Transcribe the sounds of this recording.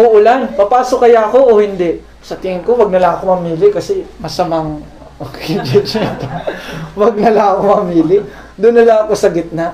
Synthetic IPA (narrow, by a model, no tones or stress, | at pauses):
ʔoʔʊlanpɐpaːsokɐjaɐko̞ʔoːhɪnd̪ɛʔ | sɐt̪ɪŋɪnko̞wɐɡ̚nɐlaɐko̞mɐmiːlɪkɐsɛmɐsɐmaŋ | kɛd͡ʒɛt͡ʃt̪owɐɡ̚nɐlaɐkomɐmiːlɪ | d̪ʊnːɐlaɐkosɐɡɪt̪̚naʔ